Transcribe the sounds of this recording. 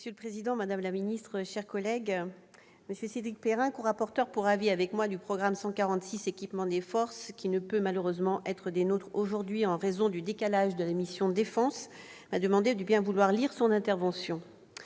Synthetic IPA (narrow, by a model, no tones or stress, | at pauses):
məsjøləpχezid̪ɑ̃mad̪amlaminist̪χəʃɛʁkɔlɛɡ | məsjøsed̪ʁik̚peʁɛ̃koʁapɔʁt̪œʁpuʁaviavɛkmwad̪ypχɔɡʁamsɑ̃kaʁɑ̃t̪sisekʲipmɑ̃d̪efɔʁskʲinəpømaløʁøzmɑ̃ʔɛt̪χəd̪enot̪χoʒuʁd̪ɥiɑ̃ʁezɔ̃d̪yd̪ekalaʒd̪əlamisjɔ̃d̪efɑ̃s | mad̪əmɑ̃d̪ed̪ybjɛ̃vulwaʁliʁsɔ̃nɛ̃t̪ɛʁvɑ̃sjɔ̃